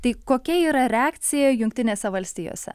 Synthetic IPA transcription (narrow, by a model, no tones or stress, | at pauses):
t̪ɐɪkoːkʲɛiːɾɐɾʲɛaːkt̪sʲɪjɛjʊŋk̚t̪ʲɪnʲeːsʲɛʋɐlʲsʲt̪ʲiːjo̰ːsʲɛ̰